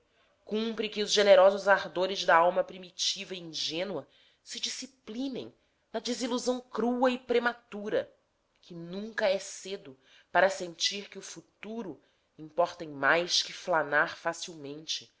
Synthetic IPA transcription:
kũmpɾɪkɪʊzʒeneɾɔzʊzaɾd̪oɾɪzd̪ɐawmɐpɾimit͡ʃivɐiĩʒẽnwɐ | sɪd͡ʒisiplĩnḛ̃j̃ | nɐd͡ʒiziluzɐ̃w̃kɾuɐɪpɾemat̪uɾɐ | kʰɪnũŋkɐɛsed̪ʊ | paɾɐsẽnt͡ʃiɾkɪʊfut̪uɾʊ | ĩmpɔɾt̪ẽj̃majskɪflanaɾfasiwmẽnt͡ʃɪ̥

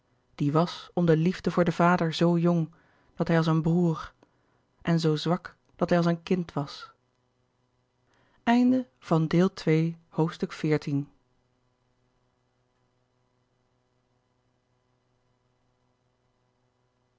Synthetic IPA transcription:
d̥iʋɑsɔmdəlivdəvʊːɹdəvaːdəɹzowjɔŋ | d̥ɑtɦɛjɑlˠsənbruːɹ | ʔɛnzowzʋɑk | d̥ɑtɦɛjɑlˠsənkɪntʋɑs | ɛjndə | v̥ɑndɪːlˠtʋejhowftstɵkfɪːɹtin

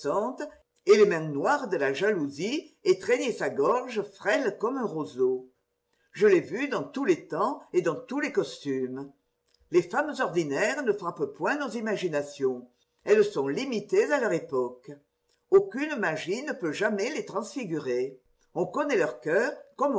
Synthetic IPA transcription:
ɑ̃t̪ə | elemɛ̃nwaʁd̪əlaʒaluziet̪χeɲesaɡɔʁʒəfʁɛlkɔmɛ̃ʁozo | ʒəlevyd̪ɑ̃t̪ulet̪ɑ̃ed̪ɑ̃t̪ulekɔst̪ym | lefamzɔʁd̪inɛʁnəfχappwɛ̃nozimaʒinasjɔ̃ | ɛlsɔ̃limit̪ezalœʁepɔk | okynmaʒinəpøʒamɛlet̪χɑ̃sfiɡyʁe | ɔ̃kɔnɛlœʁkœːʁkɔm

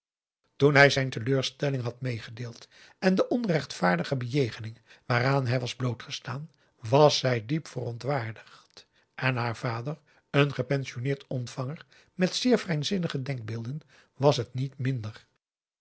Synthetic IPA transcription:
tunɦɛjzɛjntəløːɹstɛlɪŋɦɑtmejχədeːlˠt | ɛndəʔɔnrɛχtfaːɹdəχəbəjejχənɪŋʋaːɾaːnɦɛjʋɑzblowtχəstaːn | ʋɑsɛjdipfərɔntʋaːɹdəχt | ʔɛnɦaːɹv̥aːdər | ənχəpɛnʃionɪːɹtɔntfɑŋəɹ | mɛtsɪːɹvrɛjnzɪnəχədɛŋɡ̚bɪːlˠdən | ʋɑsɦətnitmɪndər

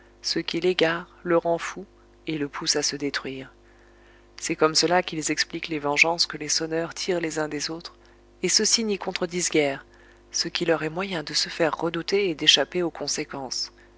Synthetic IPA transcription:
səkʲileɡaʁləʁɑ̃fu | eləpʰusasəd̪et̪χɥiːʁ | sɛkɔmsəlakʲilzɛkspliklevɑ̃ʒɑ̃skəlesɔnœʁt̪ʰiʁlezɛ̃d̪ezot̪χ | esəsinikɔ̃t̪χəd̪izɡʲɛːʁ | səkʲilœʁɛmwajɛ̃d̪əsəfɛʁːəd̪ut̪eːd̪eʃapeokʰɔ̃sekɑ̃s

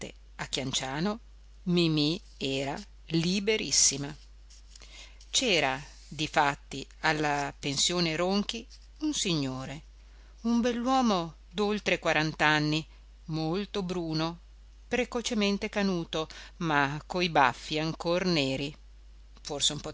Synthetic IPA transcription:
t̪ḛ | akːjant͡ʃaːno | mimi | ɛːɾa | libeɾisːima | t͡ʃɛːɾa | d̪ifat̪ːialːapensjoːneɾoŋk̟i | unsiɲːoːɾe | umbɛlːwɔːmo | d̪olt̪ɾekwaɾant̪anːi | molt̪obɾuːno | pɾekot͡ʃement̪ekanuːt̪omakːoiba̰fːiaŋkorneːɾi | forseumpo

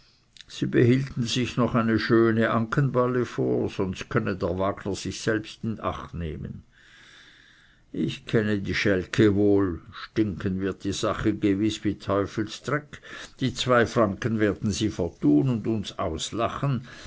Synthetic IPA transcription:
z̥iːbəhiːltn̩zɪçnɔχaɪnəʃøːnəʔaŋkʰənbaləfoːɐz̥ɔnst̚kʰœnədeːɐvaːɡnɐz̥ɪçsɛlpstɪnʔa̰χtnḛːmə̰n | ʔɪçkʰɛnədiːʃɛlkʰəvoːlʃtɪŋkʰənvɪɐt̚d̥iːz̥aχəɡəvɪsviːtʰɔʏfl̩stʁɛkd̥iːt͡sv̥aɪfʁaŋkənvɛːɐd̥n̩ziːfəɐtʰuːnʊndʊnsa̰ʊslaχən

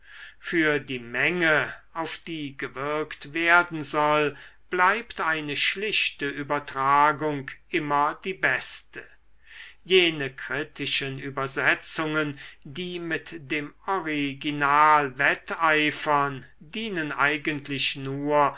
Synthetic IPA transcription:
fyːɐdiːmɛŋəaʊfd̥iːɡəvɪɐktv̥eɐdn̩zɔlb̥laɪptaɪnəʃlɪʃtəʔyːbɐtʁ̥aːɡʊŋkʔɪmɐdiːbɛstə | jeːnəkʁ̥ɪtʰɪʃənyːbɐzɛt͡sʊŋəndiːmɪtd̥eːmɔʁiɡinaːlvɛtaɪfɐn | diːnənʔaɪɡəntʰlɪɕnuːɐ

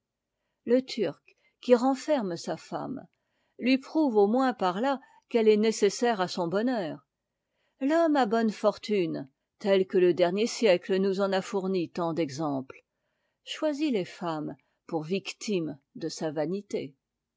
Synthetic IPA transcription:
lət̪ʰyʁkʲː | iʁɑ̃fɛʁmsafa̰m | lɥipχuvomwɛ̃paʁla | kɛlɛnesesɛʁasɔ̃bɔnœːʁ | lɔmabɔnfɔʁt̪yn | t̪ɛlkələd̪ɛʁnjesjɛklənuzɑ̃nafuʁnit̪ɑ̃d̪ɛɡzɑ̃pl | ʃwazilefam | puʁvikt̪imd̪əsavanit̪e

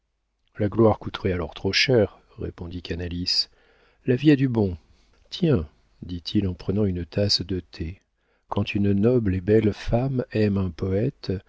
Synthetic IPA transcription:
laɡlwaʁkut̪ʁɛalɔʁt̪χoʃɛʁː | ḛpɔ̃d̪ikanalis | laviɛd̪ybɔ̃ | t̪jɛ̃ | d̪it̪ʰilɑ̃pχənɑ̃ynət̪ʰasd̪ət̪ʰe | kɑ̃t̪ʰynnɔblebɛlfamɛmɛ̃pɔɛt̪

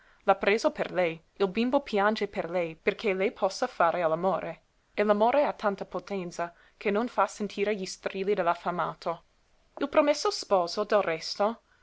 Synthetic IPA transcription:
lapɾeːzoperlɛj | ilbimbopʰjand͡ʒeperlɛjperkʰelɛjpʰɔsːafaːɾealamoːɾe | elamoːɾeat̪ʰːant̪apot̪ɛnt̪sa | kʰenːonfasent̪ʰiːɾeʎist̪ɾiːlid̪elafamaːt̪ʰo | ilpɾomesːospɔːzod̪elrɛst̪o

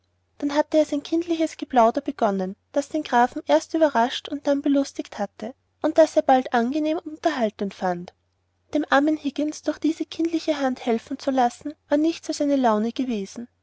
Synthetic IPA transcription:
d̥anɦatəeːɐzaɪnkʰɪntdlɪçəsɡ̥əblaʊdɐb̥əɡ̥ɔnənd̥asd̥eːnɡ̥ʁaːfm̩ʔeːɐstyːbɐʁaʃtʊnt̚d̥anbəlʊstɪkthatə | ʔʊnt̚d̥aseːɐbaltʔanɡəneːmʊntɐɦaltənfant | d̥eːmʔaɐmənhɪɡɪnsd̥ʊɐxd̥iːzəkʰɪndlɪçəɦanthɛlfn̩t͡sulasn̩vaːɐnɪçtt͡sasaɪnəlaʊnəɡ̥əveːzn̩

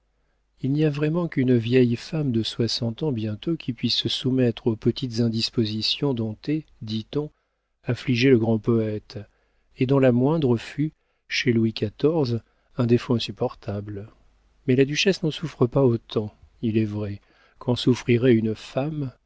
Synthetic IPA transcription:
ilniavʁɛmɑ̃kynvjɛjfamd̪əswasɑ̃t̪ɑ̃bjɛ̃t̪okʲʰipɥisːəsumɛt̪χopət̪it̪zɛ̃d̪ispozisjɔ̃d̪ɔ̃t̪ed̪it̪ɔ̃ | afliʒeləɡʁɑ̃pɔɛt̪ | ed̪ɔ̃lamwɛ̃d̪ʁəfy | ʃelwikat̪ɔʁz | ɛ̃d̪efoɛ̃sypɔʁt̪ʰabl | mɛlad̪yʃɛsnɑ̃sufχəpaot̪ɑ̃ | ilɛvʁɛ | kʰɑ̃sufχiʁɛynfam

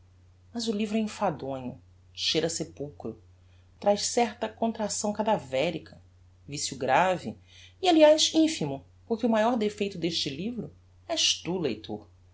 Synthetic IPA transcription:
mɐzʊlivɾʊɛĩfad̪õɲʊ̰ | ʃeɾɐsepuwkɾʊ | t̪ɾajʃsɛɾt̪ɐkõnt̪ɾasɐ̃w̃kad̪avɛɾikʰɐ | visjʊɡɾavɪialiajʃĩfimʊ | pʊɾkʲɪʊumajɔɾd̪efejt̪ʊd̪eʃt͡ʃɪlivɾʊ | ɛʃt̪ulḛjt̪ʰo̰ɾ

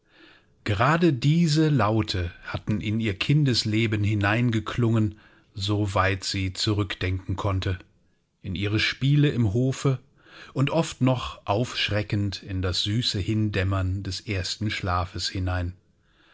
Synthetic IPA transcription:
ɡ̥əʁaːdədiːzəlaʊtʰəhatn̩ɪniːɐkʰɪndəsleːbənɦɪnaɪnɡəkʰlʊŋən | zovaɪtz̥iːt͡suʁʏkd̥ɛŋkŋ̩kʰɔntʰə | ʔɪnʔiːʁ̞əʃpiːləɪmɦoːfə | ʔʊntʔɔftnɔχʔaʊfʃʁ̥ɛkn̩tɪndasz̥yːsəhɪndɛmɐndɛsʔeːɐstn̩ʃlaːfəshɪnaɪn

